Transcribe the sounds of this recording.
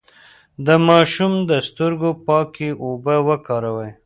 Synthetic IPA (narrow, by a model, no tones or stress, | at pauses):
d̪əmɑʃumd̪əst̪əɾɡopɑkeʔobəwəkɑɾawəj